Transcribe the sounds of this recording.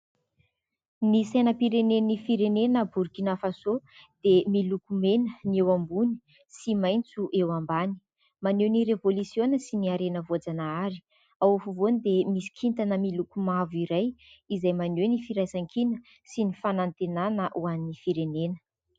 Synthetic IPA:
misajnəpiɾenenifiɾenenəbuɾkinafasod̪̥emilukumenənewambuni̥ | simajnt͡suʔewambani̥ | manewniɾevolusjonəsiniaɾenəvod͡zanaaɾi̥ | awfuvonid̪emisi̥kʰint̪anəmilukumaviɾajizajmanenifiɾajzaŋkʰinə | sinifanant̪enanəʔuaninifiɾenenə̥

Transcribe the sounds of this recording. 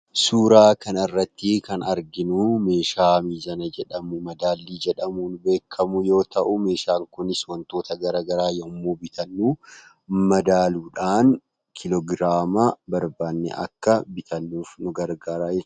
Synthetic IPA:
suːɾaːkɐnɐɪrːɐt̪ːɪkɐnɐɾɡɪnʊme̞ːʃaːmiːzɐnɐd͡ʒɛᶑɐmʊmɐd̪aːlːiːd͡ʒɛᶑɐmuːnbe̞ːkʰːɐmʊjo̞ːt̪ɐʔʊme̞ːʃaːŋkʊnɪswɐnt̪o̞ːt̪ɐɡɐɾaːɡɐɾaːjomːoːbɪt̪ɐnːuː | mɐd̪aːluːᶑaːn | kʰɪlɔɡɾaːmabɐɾbaːnːɛ̰ʔɐ̰kːɐbɪt̪ɐnːuːfnʊɡɐɾɡaːɾaːjɛ

